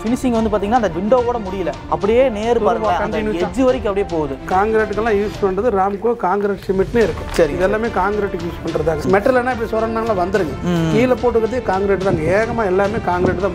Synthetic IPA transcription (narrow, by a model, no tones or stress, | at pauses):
fɪnɪsɪŋɡʋɐnd̪ɯpaːt̪iŋɐnːaːndɐʋɪɳɖoːkoːɽɐmʊɽɪjɪlɐ | ɐpːɐɽɪjeːneːɾɯpɐɾɯɡɐkɐɪnjud͡ʒːɯʋɐɾɪk̬ʲːɐpːɐɽɪjeːpoːʋɐðɯkaːŋɡɾeːʈːɯkːɛlːãːjuːspɐɳɾɐðɯɾaːmkokaːŋɡɾeːʈsɪmɪʈːnɯɪɾɯkːʊ̃sɐɾɪŋɪðɛlːaːmeːkaːŋɡɾeːʈːɯkːjuːspɐɳːɾɐðaːɡɐmɛʈːɾɯlɐnːaːɪpːɐɽisɔlɾɐːɳnaːŋɐlãːʋɐnd̪ɯɾɯŋɡɐkiːlɐpoːʈːɯkːɾɐðɯjkaːŋɡɾeːʈːɯt̪aːŋɡɐeːɣɐmaːɛlːaːmeːkaːŋɡɾeːʈt̪ãː